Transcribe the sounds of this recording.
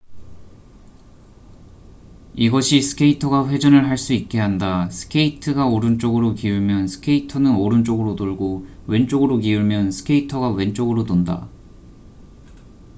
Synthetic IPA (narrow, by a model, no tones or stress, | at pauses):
iɡʌɕʰisʰɯ̥kʰe̞itʰʌɡaɸwe̞d͡ʑʌnɯɭɦaɭs͈uik̚k͈e̞ɦandasʰɯ̥kʰeitʰɯɡaoɾɯnt͡ɕ͈oɡɯɾokiuɭmjʌnsʰɯ̥kʰe̞itʰʌnɯnoɾɯnt͡ɕ͈oɡɯɾodoɭɡowe̞nt͡ɕ͈oɡɯɾokiuɭmjʌnsʰɯ̥kʰe̞itʰʌɡawe̞nt͡ɕ͈oɡɯɾodonda̰